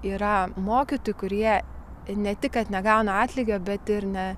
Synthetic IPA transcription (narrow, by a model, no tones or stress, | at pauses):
iːɾɐmoːkʲɪt̪oːjkʊɾʲiɛ | nʲɛt̪ʲɪkkɐt̪nʲɛɡɑʊnɐɑːt̪ʲlʲɪɡʲoːbʲɛt̪ɪɾnʲɛ